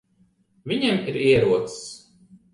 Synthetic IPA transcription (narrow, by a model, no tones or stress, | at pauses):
vʲiɲemiɾiɛɾuɔt̪ss